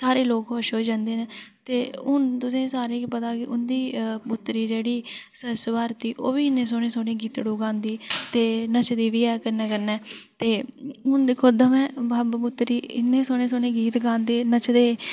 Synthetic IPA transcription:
saːɾeːloːkɦʊʃɦoːd͡ʒãːnd̪eːneːt̪eːʊnt̪ʊsẽːsaːɾeːkipət̪aːkɪʔʊnd̪iːpʊt̪ːɾiːd͡ʒeːɽiːsəɾsʋaːɾt̪iːʔoːbiːɪnːẽːs̬oːneːsoːnẽːɡiːt̪ɽuːɡãːnd̪iːt̪eːnət͡ʃd̪iːʋiːɛːkəɾnɛːkəɾnɛːt̪eːʊnd̪ɪkʰːoːd̪əmɛ̃ːbabbʊt̪ːɾiːɪ̰nːẽːsoːnẽːsoːneːɡiːt̪ɡãːnd̪eːnət͡ʃd̪eː

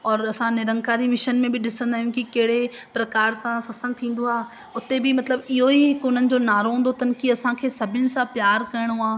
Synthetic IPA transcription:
ɔːɾɐsãnɪɾə̃ŋkaːɾimɪʃənmẽbɪɗɪsə̃nd̪aːɦjʊ̃kikɐɦɪɽepɾɐkaːɾsãsɐsə̃ŋɡ̚t̪ʰĩːn̆d̪oaː | ʊt̪ebɪmɐt̪ləbɪɦoikʊn̤ənɪ̆d͡ʑoːnaːɾoɦũːnd̪ot̪ɐnkiɐsãkʰeːsɐbʱɪnɪ̆sãpjaːɾkɐɪɽ̃oaː

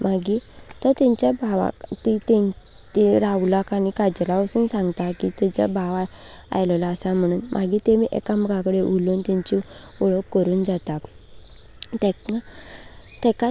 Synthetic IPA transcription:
maɡit̪ət̪ɛ̃ɲt͡ɕabʱaʋa̰kt̪it̪ɛ̃ | t̪iɾaʋlakaɽ̃ikad͡ʑlaəsuːnsãŋɡt̪akit̪ɛt͡ɕa̰bʱaʋaa̰jlɔlaːsam̤əɽ̃uːnmʔa̰ɡit̪emiʔɛ̰kamɡãkəɽeʔulunt̪ɛ̃ɲt͡ɕi | uɭəkːəɾuːnd͡zat̪a | t̪ɛka | t̪ɛ̃ka

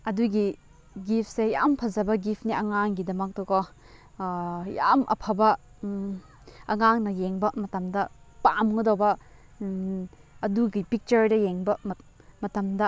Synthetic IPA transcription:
ɐduɡi | ɡip̚ʰsejampʰɐzɐbɐɡipʰniɐŋaŋɡidɐmɐk̚tɔkɔ | ja̰mʔɐ̰pʰɐbɐ | ɐŋaŋnɐjeŋbɐmɐtɐmdɐpamɡɔdowbɐ | ɐduɡipik̚t͡ʃɐɾdɐjeŋbɐ | mɐtɐmdɐ

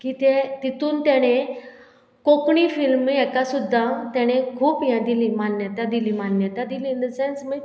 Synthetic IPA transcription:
kiːt̪et̪it̪uːnt̪jaɽ̃e | kokɳ̃iːfilmɛkasud̪ʱːat̪jaɽ̃ekʰuːpjãd̪iliːmanːjət̪ad̪iliːmanjət̪ad̪ilind̪əsensməj

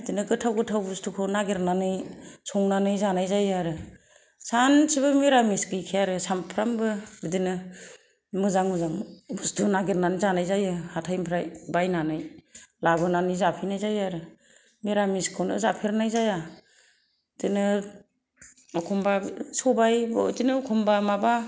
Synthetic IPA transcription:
dinɯɡɯtʰawɡɯtʰawbustʰukʰɯwnaɡeɾnanɯjsʰɔŋnanɯjzanajzajaɾɯ | sansibɯmiɾamiskɯjkʰijaɾɯsampʰɾambɯbɯdinɯ | mɯzaŋmɯzaŋbustunaɡiɾnanɯjzanajzajɯhatʰajmpʰɾajbajnanɯjlabɯnanɯjzapʰijnajzajaɾɯ | miɾamiskʰɯwnɯ̰zapʰiɾnajzaja | dinɯ | ɔkʰɔmbasɔbajbdinɯɔkʰɔmbamaba

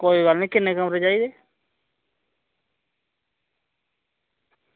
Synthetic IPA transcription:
koːiɡəlnĩːkɪnːẽːkəmɾeːd͡ʒaːiːd̪eː

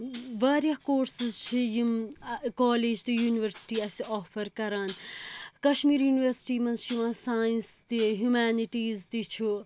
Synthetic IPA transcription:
ʋaːɾjɐɦkoːɾsizt͡ʃʰijimkɔːleːd͡ʒt̪ijuːniʋəɾsi̥ʈiːɐsiɔːfʰɐɾkɐɾaːnkɐʃmiːɾjuːniʋɐɾsi̥ʈiːmɐnzʃiʋãːsaːjinst̪iɦjumaːniʈiːzt̪it͡ʃʰu

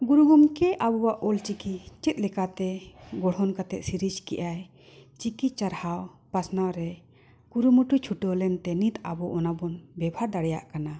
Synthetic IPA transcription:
ɡuɾuɡumkɛʔabɔwaʔɔlt͡ʃikit͡ʃɛt̪̚ˀlɛkat̪ɛɡɔɽ̤ɦɔnkat̪ɛʔ̪siɾid͡ʒkɛ̰ʔaj | t͡ʃikit͡ʃaɾhaw | pasnawɾɛ | kuɾumuʈut͡ʃʰuʈɔlɛnt̪ɛnit̪a̰bɔʔɔnabɔnbɛbʱaɾd̪aɽɛja̰ʔkana

